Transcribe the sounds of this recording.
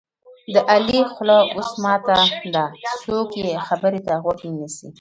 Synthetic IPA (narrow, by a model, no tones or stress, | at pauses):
d̪əʔalixlaosmɑt̪ad̪asokjexabəɾet̪aɣwaknisḭ